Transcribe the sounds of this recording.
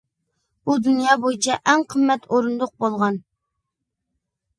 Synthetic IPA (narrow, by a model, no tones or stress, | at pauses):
bud̪ynjɑːbojit͡ʃʰɛʔɛŋqʰəmːɛt̪ʰoɾund̪ʊq̚bolˠʁɑn